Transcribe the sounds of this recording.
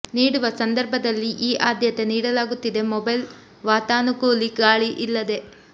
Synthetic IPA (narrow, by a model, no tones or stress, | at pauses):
niːɽuʋɐsɐnd̪ɐɾbʱɐd̪ɐlːiʔiːʔaːd̪ʱjɐt̪e̞niːɽɐlaːɡut̪ːid̪e̞mɔbɐjl | ʋaːt̪aːnukuːliɡaːɭiʔilːɐd̪e̞